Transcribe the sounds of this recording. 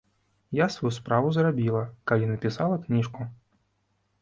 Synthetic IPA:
jasvajuspɾavuzrabʲilˠɐkalʲinɐpʲisalˠɐknʲiʂku

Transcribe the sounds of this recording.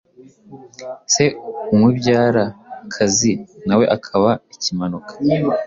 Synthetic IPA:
se̞umwibɟaːɾakʰazinawe̞ʔakʰaβaicimanukḁ

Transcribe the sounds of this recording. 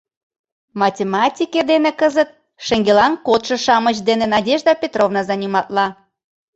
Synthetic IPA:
mɑtʲemɑtʲiked̪enekəzət̪̚ | ʃeŋɡelɑnkot̪ʃɤ̆ʃɑmət͡ɕd̪enenɑdʲeʒd̪ɑpʲet̪rovnɑzɑnʲimɑt̪lɑ

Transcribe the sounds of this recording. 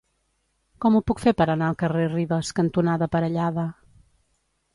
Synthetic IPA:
kɔmupukfepəɾənaəlˠkəreriβəskənt̪unaðəpəɾəʎaðə

